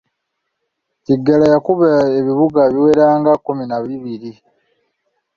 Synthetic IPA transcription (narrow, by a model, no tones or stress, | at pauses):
tiɡːalajakuβaeβiβuɡaβiwe̞ɾaːŋɡakuminaβiβiɾi